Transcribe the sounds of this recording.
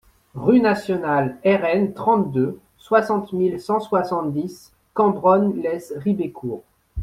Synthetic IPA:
ʁynasjɔnalɛʁɛnt̪χɑ̃t̪̚d̪ø | swasɑ̃t̪milsɑ̃swasɑ̃t̪̚d̪is | kɑ̃bʁɔnlɛsʁibekʰuːʁ

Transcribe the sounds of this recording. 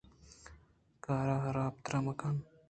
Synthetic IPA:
kaːɾaːɦɐɾaːp̚t̪ɾɐmɐkan

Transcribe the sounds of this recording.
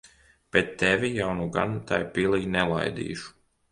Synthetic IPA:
b̥et̪ːɛvʲijawnuɡa̰nt̪ajpiːlˠiːnɛlˠa̰jd̪ḭːʃu̥

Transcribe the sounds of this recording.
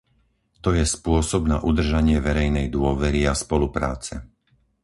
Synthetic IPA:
t̪ɔjɛspʊɔsɔbnaʔud̪r̩ʒaɲɪɛʋɛɾɛjnɛjd̪ʊɔʋɛɾiaspɔlupɾa̰ːt͡sɛ

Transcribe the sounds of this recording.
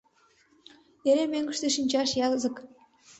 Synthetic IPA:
eɾemøŋɡə̆ʃt̪eʃinʲt͡ɕɑʃjɑzə̆k

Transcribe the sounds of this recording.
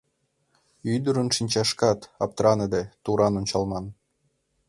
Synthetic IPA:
yd̪əɾənʃinʲt͡ɕɑʃkɑt̪ɑp̚t̪ɾɑnəd̪et̪uɾɑnonʲt͡ɕɑlmɑn

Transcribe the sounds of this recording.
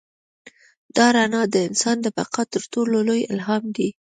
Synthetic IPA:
d̪ɑɾanɑd̪əɪnsɑnd̪əbaqat̪əɾʈololojɪ̰lɦɑmd̪i

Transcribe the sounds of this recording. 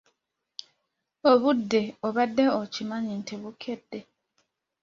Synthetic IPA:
oβudːeoβadːeocimaɲinteβukʰedːe

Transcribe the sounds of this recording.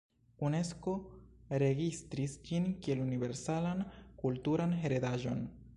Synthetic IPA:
une̞sko̞ɾe̞ɡistɾisd͡ʒinkie̞lunive̞ɾsalankultuɾanɦe̞ɾedaʒo̞̰n

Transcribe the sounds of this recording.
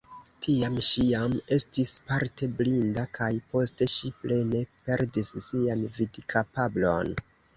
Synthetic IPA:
tʰiamʃiame̞stispaɾte̞blindakʰajpo̞ste̞ʃiple̞ne̞pe̞ɾdisːianvidkʰapablo̞̰n

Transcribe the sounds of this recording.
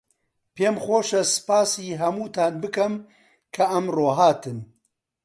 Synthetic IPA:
pʰeːmxʷoːʃɐsɨ̥paːsiːɦɐmuːt̪ʰaːnbɨkɐm | kʰɐʔɐmroːɦaːt̪ʰɨn

